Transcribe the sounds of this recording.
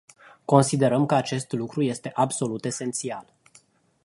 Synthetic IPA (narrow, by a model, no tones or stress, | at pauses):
ko̞nsid̪e̞ɾəmkəat͡ʃe̞st̪lukɾujest̪e̞ʔabso̞lut̪e̞se̞nt̪sial